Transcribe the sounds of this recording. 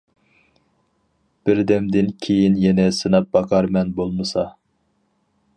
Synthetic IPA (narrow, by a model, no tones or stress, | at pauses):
b̥ɪɾd̪ɛmd̪ɪnkʲʰejinjɛnɛsɨnɑp̚bɑqʰɑɾmɛnbolˠmɨsɑ